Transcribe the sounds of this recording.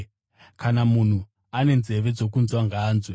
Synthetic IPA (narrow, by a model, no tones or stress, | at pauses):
kanamun̤u | ane̞nze̞ʋe̞d͡zo̞kunzwaŋɡaːnzwe